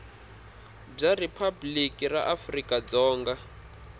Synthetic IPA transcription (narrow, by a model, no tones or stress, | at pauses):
b͡ʐaripʰablikʼira̰ʔafrikʼad͡zɔːŋɡa